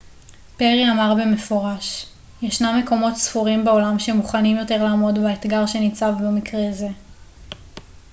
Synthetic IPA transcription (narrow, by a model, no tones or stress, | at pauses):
peʁiamaʁbeme̞fo̞ʁaʃ | jeʃnamːe̞ko̞mo̞tsfuʁimbeo̞lamʃemuχanimjo̞te̞ʁlaːmo̞dbeet̪ɡaʁʃe̞nit͡savbemikʁeze̞